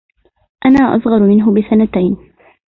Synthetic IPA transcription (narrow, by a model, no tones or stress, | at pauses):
ʔanaːʔɑ̰sˤɣɑɾˤmɪnɦʊbɪsanat̪ajn